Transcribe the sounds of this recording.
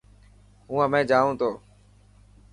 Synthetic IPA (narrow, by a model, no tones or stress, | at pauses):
ɦũːəmẽːd͡ʒaːʋũːt̪ʰoː